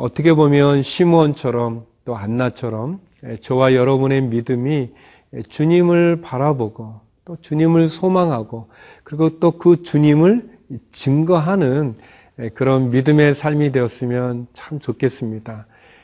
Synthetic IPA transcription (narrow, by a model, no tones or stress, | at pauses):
ʌt͈ʰʌkʰe̞bomjʌnɕʰimuʌnt͡ɕʰʌɾʌmt͈oanːat͡ɕʰʌɾʌm | et͡ɕʌwajʌɾʌbune̞midɯmi | et͡ɕuɲimɯɭpaɾaboɡo | t͈ot͡ɕuɲimɯɭsʰomaŋɦaɡo | kɯɾiɡot͈okɯt͡ɕuɲimɯɭ | t͡ɕɯŋɡʌɦanɯn | ekɯɾʌnmidɯme̞sʰaɭmidwe̞ʌs͈ɯmjʌnt͡ɕʰamt͡ɕokʰe̞s͈ɯmɲida